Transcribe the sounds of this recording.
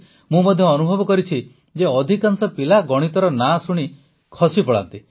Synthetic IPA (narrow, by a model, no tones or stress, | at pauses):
mũmɔd̪ʱjɔːnubʱɔbɔkɔɾit͡ʃʰi | d͡ʒeɔd̪ʱikansɔpilaɡɔɽ̃it̪ɔɾɔnasuɽ̃i | kʰɔsipɔɭa̰nt̪i